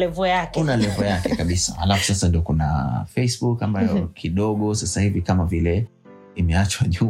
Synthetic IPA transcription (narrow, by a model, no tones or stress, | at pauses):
lɛvɔjakunalɛvɔjakɛkaɓisaha̰lafu̥sasandiɔkuna̰fɛisɓukambajɔkʰiɗɔɠɔsasahivikamavilɛ | imɛat͡ʃwaʄu